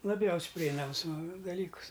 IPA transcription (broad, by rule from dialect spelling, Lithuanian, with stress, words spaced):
lˠɐˈbʲjɛʊsʲ pʲrʲɪˈɛɪnɐms dɐˈlʲiːkʊs